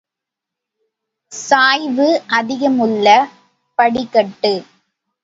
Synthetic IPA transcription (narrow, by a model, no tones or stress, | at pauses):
saːjʋɯʔɐðɪɣɐmɯlːɐ | pɐɽɪkːɐʈːɯ